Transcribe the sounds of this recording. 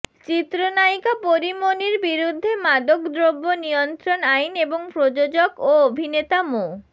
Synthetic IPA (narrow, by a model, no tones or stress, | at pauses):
t͡ɕit̪ɾonajkapoɾimoniɾbiɾud̪ʱːemad̪okd̪ɾobːonijont̪ɾonajneboŋpɾod͡ʑod͡ʑokoobʱinet̪amo